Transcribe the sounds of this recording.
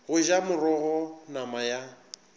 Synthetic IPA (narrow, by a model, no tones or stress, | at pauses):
ɣʊʒamʊrɔɣɔnamaja